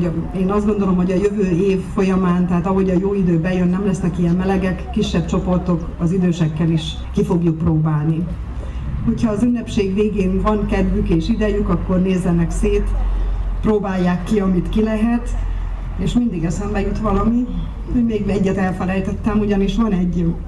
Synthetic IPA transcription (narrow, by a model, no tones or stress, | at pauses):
eːnɒzd̪ɡo̞nd̪olo̞mɦo̞ɟɒjøvøːeːfːo̞jɒmaːnt̪ɛɦaːt̪ɒɦo̞ɟɒjoːid̪øːbɛjønːɛmlɛsnɛkijɛmmɛlɛɡɛkːiʃːɛb̚t͡ʃo̞po̞rt̪o̞k | ɒzid̪øːʃɛkːɛliʃ | kifo̞ɡjuk̚proːbaːlni | ho̞chɒːzynːɛpʃeːɡʋeːɡeːnvɒŋkɛd̪vykeːʃid̪ɛjykɒkːo̞rneːzːɛnɛkseːt̪proːbaːjːaːkːiɒmit̪kilɛɦɛt̪ | eːʃmind̪iɡɛsɛmbɛjut̪ʋɒlɒmi | hoɟmeːɡɛɟːɛt̪ɛlfɛlɛjt̪ɛt̪ːɛmuɟɒniʃʋɒnɛɟː